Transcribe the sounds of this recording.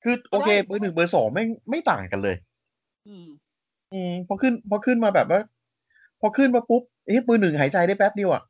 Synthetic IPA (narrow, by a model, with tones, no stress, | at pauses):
kʰɯː˧˩ʔoː˧kʰeː˧pɤː˧nɯ˨˩ŋbɤː˧˩sɔ̰ː˩˦ŋma˥˩jma˥˩jt̪a̰ː˨˩ŋka˧nlɤː˧j | ʔɯː˧˩pʰɔ˧˥kʰɯ˥˩npʰɔ˧˥kʰɯ˥˩nmaː˧bɛː˨˩p̚naː˦˥˩ | pʰɔ˧kʰɯ˥˩nma˧˥pu˦˥p̚ʔe˦˥pɯː˧nɯ˨˩ŋɦaː˩˦t͡ɕa˧jdɾaː˥˩jpɛ˦˥p̚di˧əwʔa̰˨˩ʔ